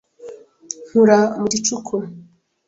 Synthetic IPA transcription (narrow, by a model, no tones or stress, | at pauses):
n̥uɾamuɟit͡ʃukʰu